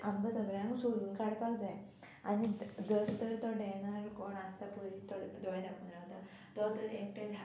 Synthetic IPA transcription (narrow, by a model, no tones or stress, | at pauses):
ambəsəɡljañũsoluːnkaɽpakd͡zaj | añid̪əɾt̪əɾt̪ɔɖɛnəɾkoɳast̪apuɾit̪ɔd̪ɔɭd̪akunɾaɦt̪a | t̪ɔt̪əɾek̚ʈəd̪ʱa